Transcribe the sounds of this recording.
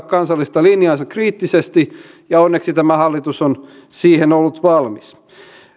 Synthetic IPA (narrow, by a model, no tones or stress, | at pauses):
kɑnsɑlːist̪ɑlinjɑnsɑkriːt̪ːisest̪i | jɑonːeksit̪æmæhɑlːit̪uson | siːhenolːut̪ʋɑlmis